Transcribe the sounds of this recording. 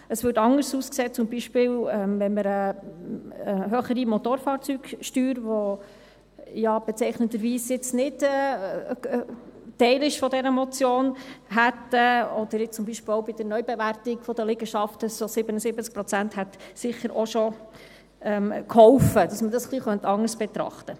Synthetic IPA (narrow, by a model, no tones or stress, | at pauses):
əsʋʏːɾtɑŋəɾsuːskseːt͡sʊmbiʃpɪːlɛmvɛnməɾə | ɦøχəɾimɔt̪oɾfɑːɾt͡syːɡʃtyːɾʋɔ | jɑb̥ɛt͡sɛɪχnəd̪əɾʋiːsjɪt͡snɪtɛ | tɛɪlɪʃfɔdɛɾəmɔt͡sjoːnɦæt̪əɔd̥̪əɾjɪt͡sʊmbiʃpɪlɔʊbɪd̥əɾnœʏbɛvæɾtɪɡfɔd̥̪əlɪɡəʃɑftəsosɪbənəsɪbət͡sk̚pɾɔt͡sænthɛt̪sɪχəɾʔɔʃɔ | ɛmkhɔwfəd̥ɑsmədɑsχliːχœntɑŋəɾsb̥ɛt̪ɾɑ̰χt̪ə